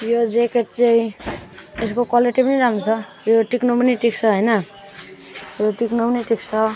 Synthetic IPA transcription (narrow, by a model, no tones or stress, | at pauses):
jod͡zekeʈt͡saĩ | eskokaleʈibʌniɾamot͡sʰʌ | joʈiknopʌniʈik̚t͡sʰʌɦojnʌ | joʈiknupniʈikt͡sʰʌ